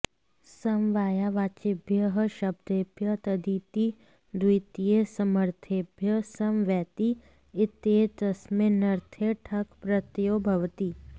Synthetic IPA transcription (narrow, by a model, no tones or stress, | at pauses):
sɐmʋaːjaːʋaːt͡ʃɪbʱjɐɦəʃɐb̚d̪eːbʱjɐt̪ɐd̪iːt̪i | d̪ujt̪ijesɐməɾt̪ʰeːbʱjɐsɐmʋɛːt̪i | ɪt̪eːt̪ɐsmenɐɾt̪ʰeʈʰɐkpɾɐt̪joːbʱɐʋt̪iː